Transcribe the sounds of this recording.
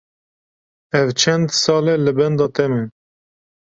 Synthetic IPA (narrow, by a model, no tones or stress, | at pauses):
ɛvt͡ʃʰɛnd̪sɑːlɛlɨbɛnd̪ɑːt̪ɛmɨn